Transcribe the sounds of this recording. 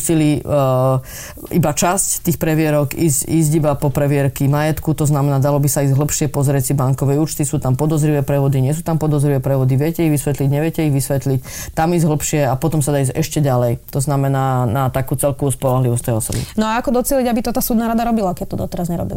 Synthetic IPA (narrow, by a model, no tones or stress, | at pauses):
sili | ibat͡ʃasct̪iːxpɾɛʋɪɛɾɔkiːsciːz̬ɟibapɔpɾɛʋɪɛɾkimajɛt̪kut̪ɔznamɛnaːd̪alɔbisaiːzɟɦl̩pʃɪɛpɔzɾɪɛcsibaŋkɔʋɛuːt͡ʃt̪isuːt̪ampɔd̪ɔzɾiʋɛpɾɛʋɔd̪iɲɪɛs̬uːt̪ampɔd̪ɔzɾiʋɛpɾɛʋɔd̪iʋɪɛcɛiɣʋisʋɛt̪liɟɲɛʋɪɛcɛiɣʋisʋɛt̪lic | t̪amiːzɟɦl̩pʃɪɛapɔt̪ɔmsad̪aːiːzɟɛ̰ʃcɛɟalɛjt̪ɔznamɛnaːnat̪akuːt͡sɛlkɔʋuspɔlɔɦliʋɔst̪ɛjɔsɔ̰bḭnɔaakɔd̪ɔt͡sɪɛliɟabit̪ɔt̪aːsuːd̪naːɾad̪aɾɔbilakɛt̪ɔd̪ɔt̪ɛɾazɲɛɾɔ̰bḭl